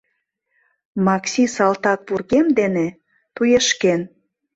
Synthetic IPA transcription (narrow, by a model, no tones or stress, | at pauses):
mɑksʲisɑlt̪ɑk̚purɣemd̪ene | t̪ujeʃken